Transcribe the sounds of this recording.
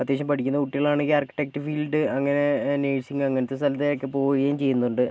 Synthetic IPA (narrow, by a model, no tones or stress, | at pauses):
ɐt̪jeːɕɐmpɐʈʰikʲːunːɐuʈːiɣɐɭaːɳekːiaːrkːi̥ʈːek̚ʈɨfiːlɖɨɐŋːɐne̞neːsiŋɡɐŋːɐnet̪ːest̪ɐlɐt̪ːejokːepo̞ːjiɐjːmt͡ɕe̞jːunːɐuɳɖɨ